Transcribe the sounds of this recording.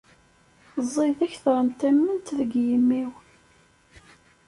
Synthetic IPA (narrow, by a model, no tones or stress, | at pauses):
zˤːiðæçθɾˤənt̪æmːənt̪ðəɡjəmːiw